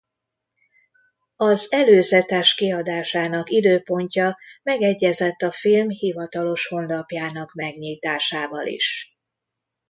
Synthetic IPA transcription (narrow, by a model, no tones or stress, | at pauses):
ɒzɛløːzɛt̪ɛʃkiɒd̪aːʃaːnɒkid̪øːpo̞ɲcɒmɛɡɛɟːɛzɛt̪ːɒfilmhivɒt̪ɒlo̞ʃho̞nlɒpjaːnɒkmɛɡɲiːt̪aːʃaːvɒlḭʃ